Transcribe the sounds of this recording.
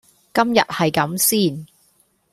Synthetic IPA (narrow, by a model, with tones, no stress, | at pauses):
kɐ˥mjɐ̰˨t̚hɐ˨jkɐ˨˥msiː˥˩n